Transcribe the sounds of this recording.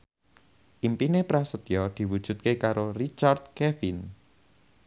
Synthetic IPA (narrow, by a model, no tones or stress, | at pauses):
ʔimpinepɾasət̪jɔd̪̥i̤wud̥ʒ̥ṳt̪̚kekaɾorit͡ʃard̪̥̚kɛfin